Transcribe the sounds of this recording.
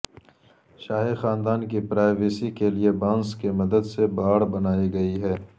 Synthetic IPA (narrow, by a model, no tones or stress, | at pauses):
ʃaːɦexaːnd̪aːnkipɾaːɪʋeːsikeliebãːnskemɐd̪əd̪sebaːɽbɐnaːiɡɐiɦɛː